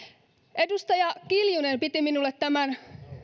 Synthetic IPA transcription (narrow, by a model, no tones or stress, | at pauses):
ʔe̞dust̪ɑjɑkiljunempit̪iminulːet̪t̪æmæn